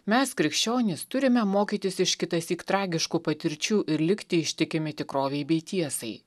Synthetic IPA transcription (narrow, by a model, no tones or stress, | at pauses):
mʲɛskɾʲɪkʃʲt͡ʃʲoːnʲɪst̪ʊɾʲɪmʲɛmoːkʲiːt̪ʲɪsɪʃkʲɪt̪ɐsʲiːkt̪ɾɑːɡʲɪʃkuːpɐt̪ʲɪɾʲt͡ʃʲuːʔɪɾlʲɪkt̪ʲɪɪʃʲt̪ʲɪkʲɪmʲɪt̪ʲɪkɾoːʋʲɛɪbʲɛɪt̪ʲiɛsɐɪ